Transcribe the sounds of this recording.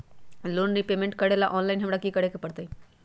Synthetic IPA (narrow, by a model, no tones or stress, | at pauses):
loːnːipeːmẽɳʈkəɽelaʔɔːnlaːɪnɦɐmɽakikɐɽekepɐɽt̪ai